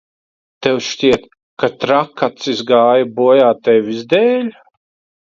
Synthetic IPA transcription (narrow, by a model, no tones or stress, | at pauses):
t̪ɛwʃʲiɛt̪ | kat̪ɾakːat̪sizɡaːjabuɔjaːt̪ɛjvʲizd̪ɛːlʲ